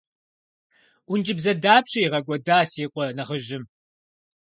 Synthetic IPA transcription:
ʔʷʊnd͡ʒʼɪbzɐdaːpɕijːʁɐɡʷɔdaːsiːqʷʼɔnɐʁəʒɪm

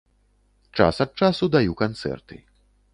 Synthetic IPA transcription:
t͡ʂa̰sɐt̪̚t͡ʂasud̪ajukant̪sɛ̰rt̪ɨ̰

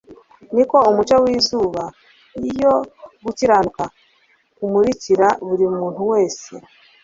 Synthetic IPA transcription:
niko̞umut͡ʃawiːzuːβa | nijo̞ɡuciɾanuka | kumuɾiciɾaβuɾimumuːn̥huwe̞ːsḛ

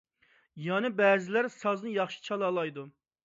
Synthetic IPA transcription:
jɑnɨbɛːzɪlæɾsɑznɨjɑχʃi̥t͡ʃʰɑlˠɑlˠɑjd̪u

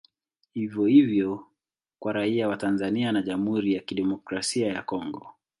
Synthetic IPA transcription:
hivjɔhivjɔ | kwaɾaiawatanzanianaʄam̩huɾijakiɗɛmɔkɾasiajakɔŋɡɔ

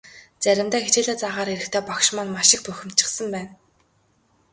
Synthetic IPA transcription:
t͡sæɾʲɪ̆mt̪æːxet͡ɕeːɮaːt͡saʁaːɾeɾɘ̆kt̪ʰeːpɔkʃmanmaʃɪ̆k̚pœxʲɪ̆m̥t͡ɕɪ̆χsə̆mpæːn

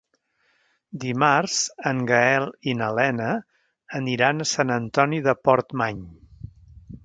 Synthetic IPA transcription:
d̪imarz̥əŋɡəɛlˠinəlɛnəː | niɾanəsanənt̪ɔniðəpɔɾt̪maɲ

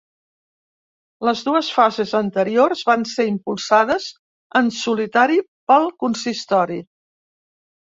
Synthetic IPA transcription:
ləzðuəsfazezənt̪əɾiorzβanseimpulˠsað̞əz | ənsulit̪aɾi | pəlˠkunsist̪ɔɾi

